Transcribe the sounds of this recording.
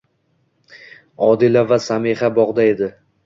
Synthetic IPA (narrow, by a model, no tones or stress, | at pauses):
ɒd̪ɪlavasamehabɒʁd̪ae̞d̪ɪ